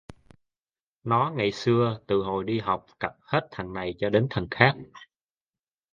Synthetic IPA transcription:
nɔ˨˦ŋa˨˩jsɨ˧ət̪ɨ̰˧˨˩ɦo˨˩jɗi˧ɦa˨˩wk͡p̚ka˨˩p̚he˦˥t̚t̪ʰa˨˩ŋna˨˩jt͡ɕɔ˧ɗe˨˦nt̪ʰə˨˩ŋxaː˦˥k̚

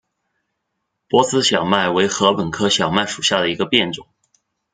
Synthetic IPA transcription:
pwɔ˥t͡sɹ̩˥ɕjɑ˨˩ʊma˥˩ɪwe˧˥ɪxɤ˧˥pə˨˩nkʰɤ˥˧ɕjɑ˨˩ʊma˥˩ɪʂu˨˩ɕja˥˩d̪ə˩i˧˥ɡə˧pjɛ˥˩nʈ͡ʂʊ˨˩˦ŋ

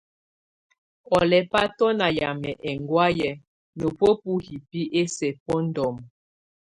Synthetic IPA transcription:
ɔ˨lɛ˨pa˦tɔ˦na˨ja˨mɛ˨ʔɛ˨ŋɡwa˦jɛ˨ | no˨po˦pu˦hi˨pi˦ʔe˦sɛ˨pɔ˦n˦dɔ˨m

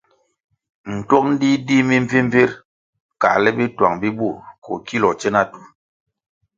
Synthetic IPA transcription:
n̩˨tɔ˦k̚n̩˦di˦di˦mi˦m˦vi˦m˦vi˦ɾ | ka̰˨lɛ˦bi˦twa̰˨ŋbi˦bu˦˨kɔ̰˨ki˦lɔ˨t͡ʃɛ˦na˦˨tu˨

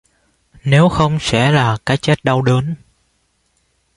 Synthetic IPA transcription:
ne˨˦wxə˧wŋ͡msɛ̰˧˥˩laː˨˩kaː˨˦jt͡ɕe˦˥t̚ɗa˧wɗə˨˦n

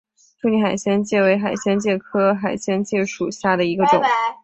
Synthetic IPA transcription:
ʈ͡ʂu˥˩ni˥xa˨˩ɪɕjɛ˥nt͡ɕjɛ˥˩we˧˥ɪxa˨˩ɪɕjɛ˥nt͡ɕjɛ˥˩kʰɤ˥xa˨˩ɪɕjɛ˥nt͡ɕjɛ˥˩ʂu˨˩ɕja˥˩d̪ə˩i˧˥ɡə˧ʈ͡ʂʊ̰˨˩˦ŋ

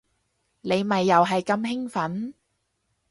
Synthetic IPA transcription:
ne˨˧jmɐ˨jːɐ˨wɦɐ˨jkɐ˧mɦɪ˥ŋfɐ˨˥n

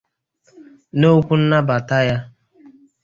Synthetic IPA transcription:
no˦kʷu˦n̩˦na˦ba˨ta˦ja˦

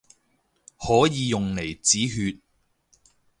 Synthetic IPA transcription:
hɔː˨˥jiː˨˧jʊ˨ŋle˨˩jt͡siː˨˥ɦyː˧t̚

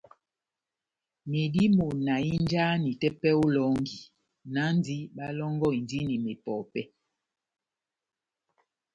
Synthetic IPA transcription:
me˨di˦mo˨na˨i˦n˦d͡ʒa˦ni˨tɛ˦pɛ˦o˦lɔ˨˦ŋɡi˨ | na˨˦n˦di˦ɓa˦lɔ˦ŋɡɔ˦˨i˨n˨di˦ni˨me˨pɔ˨pɛ˦

